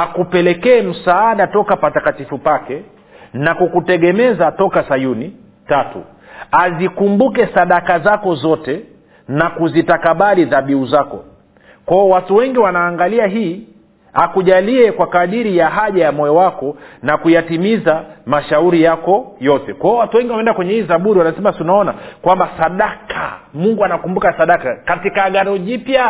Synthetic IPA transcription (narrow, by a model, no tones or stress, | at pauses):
akupɛlɛkɛːm̩saaɗatɔkapatakatifupakɛ | nakukutɛɠɛmɛzatɔkasajuni | tatṵ | azikumbukɛsaɗakazakɔzɔtɛ | nakuzitakaɓaliðaɓiuzakɔ̰ | kwaɔwatuwɛŋɡiwanaːŋɡaliaɦiː | akuʄaliɛkwakaɗiɾijaɦaʄajamɔɔwakɔnakujatimizamaʃauɾijakɔjɔtɛkwaɔwatuwɛŋɡiwaɛɛndakwɛɲɛhiθaɓuɾiwanasɛmasunaɔnakwambasaɗakʰa̰muŋɡuanakumbukasaɗakakatikaɠaɾɔʄipja